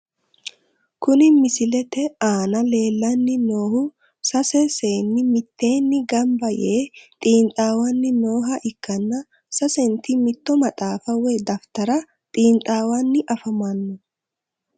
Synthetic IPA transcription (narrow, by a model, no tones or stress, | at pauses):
kʊnɪmɪsɪlɛt̪ɛaːnɐle̞ːlːɐnːɪnoːhʊ | sɐsɛse̞ːnːɪmɪt̪ːe̞ːnːɪɡɐmbɐjeːt̪ʼiːnt̪ʼaːwɐnːɪno̞ːɦɐʔɪkːɐnːɐ | sɐsɛnt̪ɪmɪt̪ːɔmɐt̪ʼaːfɐwɛd̪ɐft̪ɐɾɐ | t̪ʼiːnt̪ʼaːwɐnːɪʔɐfɐmɐnːʊ